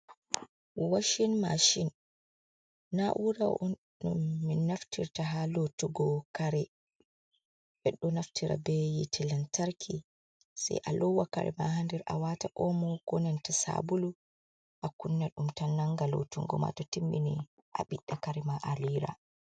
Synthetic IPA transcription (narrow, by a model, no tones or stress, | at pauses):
wwaʃinmaʃin | aʔuɾa | ɗumːinaftiɾtaɦalotuɡɔkaɾɛ | bɛɗɔnaftiɾa̰bɛjitʰɛlantaɾkʰi | sɛ̰jʔalɔwːaka̰ɾɛ̰mahandɛɾʔa̰wataʔɔmɔɡ̥ɔnɛntasa̰bulu | ʔakunːaɗumtanːaŋɡalo̰tuŋɡɔ̰ma̰tɔtimːini | ʔaɓiɗːakaɾɛmaʔaliɾa̰